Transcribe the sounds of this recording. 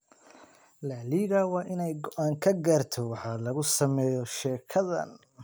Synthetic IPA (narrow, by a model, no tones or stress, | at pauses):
laːliːɣɐwɑːʔɪnɛjɡɔʔaːŋkʰɐɡaːrt̪ʰɔwɑħɑlɐɣʊsɐmɛːjɔʃɛːkʰɐðɐ̰n